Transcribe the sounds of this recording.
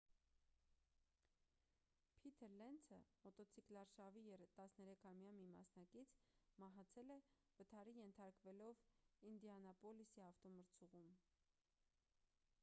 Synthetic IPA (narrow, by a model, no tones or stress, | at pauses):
pʰit̪ʰɛɾlɛnt͡sʰəmɔt̪ɔt͡sʰiklɑɾʃɑvijɛɾt̪ɑsnɛɾɛkʰɑmjɑmimɑ̰snɑkit͡sʰmɑɦɑt͡sʰɛlɛ | vət̪ʰɑɾijɛnt̪ʰɑɾkvɛlɔvind̪iɑnɑpɔlisiɑft̪ɔməɾt͡sʰuʁum